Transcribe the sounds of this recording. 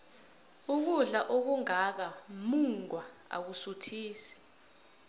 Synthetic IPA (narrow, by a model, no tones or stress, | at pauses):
uk̬uɮaʔok̬uŋak̬amuŋwa | a̰k̬usutʰiːsi̥